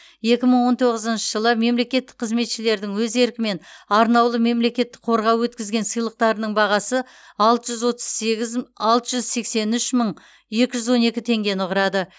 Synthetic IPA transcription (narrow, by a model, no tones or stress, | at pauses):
je̞kʲɪməɴwo̞nt̪ʰoʁəzənʃəʒəlˠəme̞mle̞kʲe̞t̪ːɪk̚qʰəzme̞t̪ʃɪle̞ɾd̪ɪŋwɵze̞ɾkʲɪme̞nɑɾnɑwlˠəme̞mle̞kʲe̞t̪ːɪ̥k̚qʰo̞ɾʁɑwwɵt̪kʲɪzɡʲe̞nsəjlˠəq̚t̪ɑɾənəɴbɑʁɑsə | ɑlˠt̪əʒʏzwo̞t̪ə̥zɑlˠt̪əʒʏzse̞kse̞nʏʃməɴ | je̞kʲɪʒʏzwo̞ne̞kʲɪt̪ʰe̞ŋɡʲe̞nʊʁəɾɑd̪ə